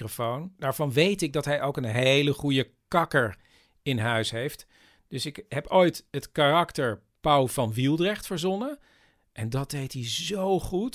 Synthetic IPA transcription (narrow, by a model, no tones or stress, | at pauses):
rofownd̥aːɹvɑnʋejtɪɡ̚dɑtɦɛjʔowkənɦejləχujə | kɑkəɹ | ɪnɦœɥsɦejft | d̥ɵsɪkɦɛpojtɦətkarɑktəɹ | pawvɑnʋilˠdrɛχtfəɹzɔnə | ʔɛndɑd̚dejtɦizowχut